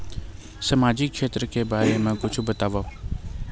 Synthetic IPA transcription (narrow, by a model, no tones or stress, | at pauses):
səmaːd͡ʒɪkːʃeːt̪ɾəkebaːɾemãkʊt͡ʃʰbət̪aːʋa